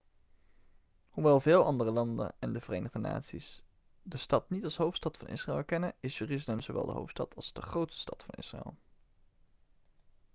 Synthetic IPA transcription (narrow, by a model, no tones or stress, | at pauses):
huʋɛlˠvɪːlˠɑndərəlɑndə̰nɛndəvərejnəʁdəna̰ːtsis | dəstɑtnitɑlˠsɦowftstɑtfɑnʔɪ̰sraːlˠkɛnəɪsjyːrizlɛmzoʋɛ̰lˠdə̰ɦo̰wftstɑ̰tʰɑlˠzdəχrowtstə̥stɑtfɑ̰nɪ̰sraɛ̰lˠ